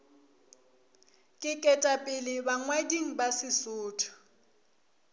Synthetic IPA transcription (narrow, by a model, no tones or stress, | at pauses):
kʼɪkʼɛtʼapʼɪlɪbaŋwadiŋ̩basɪsʊːtʰɔ̥